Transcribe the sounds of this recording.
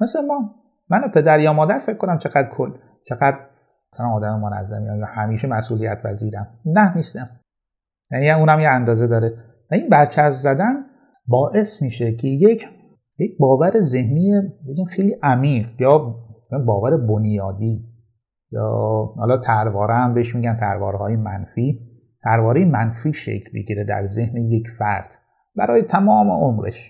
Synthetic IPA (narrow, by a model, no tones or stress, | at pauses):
mesemɒː | mænopʰe̞d̪æɾjɒːmɒːd̪æɾfe̞cʰːko̞næmt͡ʃʰe̞ɣæd̪kʰolː | t͡ʃʰeɡæd̪ɾ | sælænɒːd̪æmemonæ̰zːæ̰mjæmjɒhæmiːʃemæsʔuːlijæt̪̚pʰæziːɾæmnæhniːst̪æm | jæniuːnæmjeænd̪ɒːzed̪ɒːɾe | væinbæɾt͡ʃʰæzæd̪æn | bɒːʔe̞smiːʃecʰejekʰ | je̞c̚bɒːvæɾeze̞hniːjebeɟiːmxejliːʔæmiːɢjɒːonbɒːvæɾebonjɒːd̪iː | jɒ̰ːhɒ̰ːlɒːt̪ʰæɾvɒːɾehæmbeeʃmiːɟænt̪ʰæɾvɒːɾhɒːjemæ̰nfiː | t̪ʰæɾvɒːɾejemænfiːʃḛcʰlbḛɟiɾed̪æ̰ɾze̞hnejecʰfæɾd̪̥ | bæ̰ɾɒːjet̪ʰæmɒːmḛʔomɾḛʃ